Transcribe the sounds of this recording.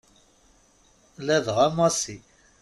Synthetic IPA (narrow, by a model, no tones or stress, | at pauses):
læðʁamɑsi